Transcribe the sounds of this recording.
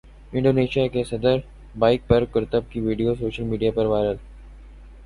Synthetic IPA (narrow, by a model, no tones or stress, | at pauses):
ɪ̃ɳɖoːneːʃijakesɐd̪əɾ | baːɪk̚pɐɾkɐɾt̪əb̚kiʋiːɖijosoːʃəlmiːɖijapɐɾʋaːɾəl